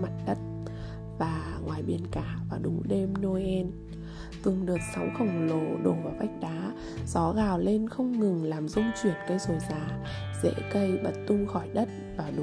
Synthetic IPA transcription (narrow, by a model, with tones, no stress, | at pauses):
ma˨˩t̚ɗə˦˥t̚ | vaː˨˩ŋwaː˨˩jɓḭ˨˩ənkaː˧˩vaː˨˩ɗʊ˨˦ŋ͡mɗe˧mno˧ʔɛ˧n | t̪ɨ˨˩əŋɗɨː˨˩ət̚sɔ˨˦wŋ͡mxə˧˩wŋ͡mlo˧˨˩ɗo˧˩vaː˨˩wɓa˦˥jk̟̚ɗaː˨˦ | z̥ɔ˨˦ɣaː˨˩wle˧nxə˧wŋ͡mŋɨ˨˩ŋlaː˨˩mzʊ˧ŋ͡mt͡ɕwi˧˩ənkə˧jzo˧˩jzaː˨˩ | zɛ̰˧˥kə˧jɓə˨˩t̚t̪ʊ˧ŋ͡mxɔ˧˩jɗə˦˥t̚vaː˨˩ɗʊ˨˦